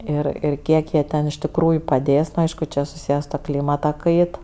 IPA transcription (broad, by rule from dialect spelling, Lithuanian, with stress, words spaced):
ˈɪr ɪr ˈkʲiɛk jiɛ ˈtʲɛn ɪʃ tʲɪkˈruːjʊ pɐˈdʲeːs nʊ ˈɐɪʃkʊ t͡ʃʲɛ sʊˈsʲiːjɛ sʊ tuɔ ˈklʲiːmɐtɐ ˈkɐɪt